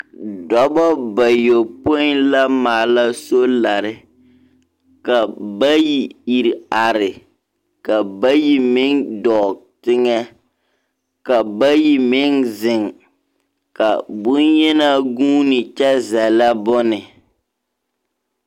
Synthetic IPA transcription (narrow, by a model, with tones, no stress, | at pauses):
dɔ˦bɔ˦ba˨jo˨po˦ɪ˦nla˦maː˨la˦so˦la˨ɾɪ˦ | ka˨ba˦ji˨i˨ɾa˨ɾɪ˨ | ka˨ba˦ji˦mɪ˦ŋdɔː˨tɪ˦ŋɛ˦ | ka˨ba˦ji˨mɪ˦ŋzɪ˨ŋ | ka˨bʊ˦njɛ˦na˦ɡuː˦nɪ˨t͡ʃɛ˦zɛ˨la˦bʊ˦nɪ˨